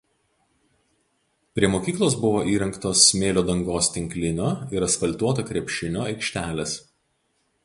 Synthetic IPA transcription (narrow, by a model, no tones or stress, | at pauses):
pʲɾʲiɛmoːkʲiːklˠoːsbʊʋoːʔiːɾʲɛŋkt̪oːsmʲeːlʲoːd̪ɐŋɡoːst̪ʲɪŋʲklʲɪnʲoːɪɾɐt̪sfɐlʲt̪uɔt̪ɐkɾʲɛpʲʃʲɪnʲoːɐɪkʃʲt̪ʲæːlʲɛs